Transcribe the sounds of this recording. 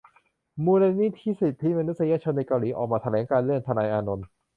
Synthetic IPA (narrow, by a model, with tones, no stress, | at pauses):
muː˧la˧niː˥˩t̪ʰiː˥˩si˨˩p̚t̪ʰːiː˥˩maː˧nu˦˥sa˧ja˦˥t͡ɕʰo˧nːa˧jkaː˧wliː˩˦˥ʔɔ̰ː˨˩k̚maː˧t̪ʰa˧lɛː˩˦ŋkaː˧nlɯ˥˩ənt̪ʰa˧naː˧jʔaː˧no˧n